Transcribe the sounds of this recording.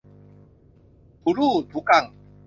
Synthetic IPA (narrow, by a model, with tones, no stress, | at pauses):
ku˨ɾu˦˨d̪u˨˦ka˨ŋ